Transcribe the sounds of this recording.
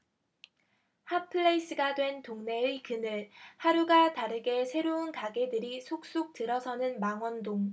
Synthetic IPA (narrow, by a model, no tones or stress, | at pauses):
hapʰɯɭːeis͈ɯɡadwe̞ntoŋne̞ɯkɯnɯɭhaɾuɡataɾɯɡe̞sʰe̞ɾounkaɡe̞dɯɾisʰok̚s͈ok̚tɯɾʌsʰʌnɯnmaŋwʌndoŋ